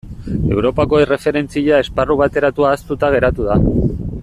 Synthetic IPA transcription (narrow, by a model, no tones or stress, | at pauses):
e̞wɾo̞pako̞ere̞fe̞ɾe̞nt͡siʎae̞sparuβ̞at̪e̞ɾat̪uaːst̪ut̪aɣ̞e̞ɾat̪uð̞a